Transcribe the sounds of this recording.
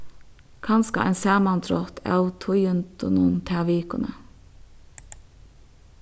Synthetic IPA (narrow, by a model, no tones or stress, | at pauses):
kʰɑnskɑ̰ʔɛnsæːmɑnt̪ʰɾɔt̪ʰɑ̰ʊt̪ʰʊjʉnt̪ʰʊnunt̪ʰæʋiːkʊnə̰